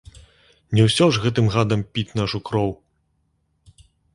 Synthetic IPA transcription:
nʲɛwsʲɔʐɣɛt̪ɨmɣad̪ɐmpʲit͡sʲnaʂukɾɔw

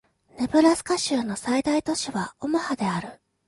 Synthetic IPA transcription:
ne̞bɯ̟ɾasɨ̥kaɕɨːno̞said̪ait̪o̞ɕiβaomahad̪e̞aɾɯ̟

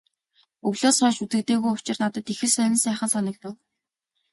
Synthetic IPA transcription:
ɵɣɮoːsɔːʃut̪ɘ̆t̪eːɣujʊ̥t͡ɕɪ̆rnat̪ə̆t̪ixɘ̆ɮsœɮʲɪ̆nsæːχə̆nsɔnɞ̆k̚t̪ʊ̆w

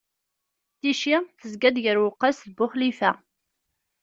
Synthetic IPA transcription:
θiʃiθəzɡæd̪ʝəɾwʊqːɑsðbʊχlifæ

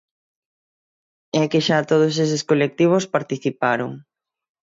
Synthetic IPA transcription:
ɛkɪʃat̪oð̞oses̬ɪskolek̚t̪iβ̞ospaɾt̪iθipaɾo̰ŋ

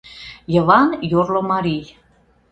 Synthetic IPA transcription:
jɤ̆lɑnjorlomɑɾij

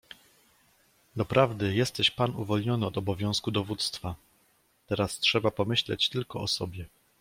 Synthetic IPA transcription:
d̪ɔpɾavd̪ɘjɛst̪ɛɕpanuvɔlɲɔnɘɔd̪ɔbɔvʲjɔ̃w̃skud̪ɔvut̪st̪fa | t̪ɛɾastʂɛbapɔmɘɕlɛ̰t͡ɕt̪ɘlkɔɔsɔbʲjɛ

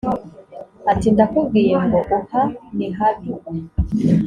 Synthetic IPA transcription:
atindakubɡijeŋɡoʔahaniɦadu

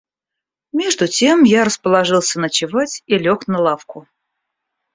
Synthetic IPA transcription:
mʲe̞ʐd̪ʊtʲemjaɾəspəlˠɐʐɨlˠsʲənət͡ɕɪvatʲilʲoknəlˠafkʊ

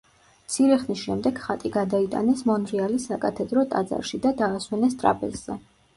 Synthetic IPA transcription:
mt̪sʰiɾɛχnisʃɛmd̪ɛɡ̥χat̪ʼiɡad̪ait̪ʼa̰nɛsmɔnɾialisakʼat̪ʰɛd̪ɾɔt̪ʼa̰d̪za̰ɾʃid̪ad̪aːswɛnɛst̪ʼɾa̰pʼɛ̰lz̥ɛ

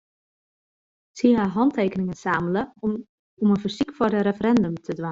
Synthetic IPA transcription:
siɦaɦɑntʰeːkənɪŋənsaːmələ | ɔmənfərsikfɔrdəɾefəɾɛndəmtʰədʋa

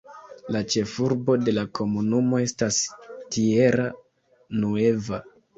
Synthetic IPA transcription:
lat͡ʃe̞fuɾbo̞de̞lakʰo̞munumo̞e̞stastie̞ɾa | nue̞va

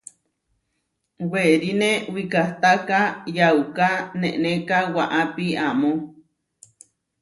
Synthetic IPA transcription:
weɾinewikaht̪akajawkaneʔnekawaʔapiamo

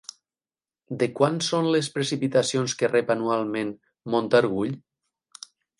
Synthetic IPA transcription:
d̪ekwansonlespɾesipit̪asionskerepanualˠmẽn | mont̪aɾɣ̞uʎ

